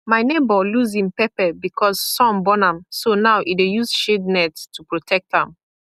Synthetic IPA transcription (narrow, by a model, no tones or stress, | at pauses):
maɪnebɔluzĩmpɛpɛbikʰɔz̥sɔ̃mbɔnãmsonawʔidejuzʃednɛttʰupɹotʰɛk̚tãm